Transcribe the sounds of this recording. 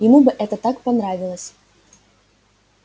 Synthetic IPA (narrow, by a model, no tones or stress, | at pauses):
jɪmubɨʔɛt̪ət̪akpanɾavʲɪlˠəsʲ